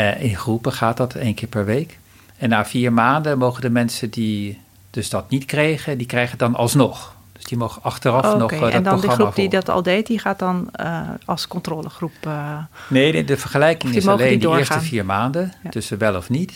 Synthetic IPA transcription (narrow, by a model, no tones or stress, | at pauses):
ɪnχrupəχaːt̚dɑtʰejnkɪːɹpɛɹʋejk | ɛnːaːfiːɹmaːndənmowχədəmɛnsədi | d̥ɵsdɑtnitkrejχədikrɛjχədɑnɑ̰lˠsnɔχ | d̥øsd̥imowχəɑχtərɑfnɔdn̚drondərmuafdidɑtɑ̰lˠdejtdiχaːtdɑnɑlˠskɔntroːləχrup | nejdəvəɹχəlɛjkɪŋɪisleːnndidːɹɪːɹstaəfiːɹmaːndətʏsəʋɛlˠɔfnit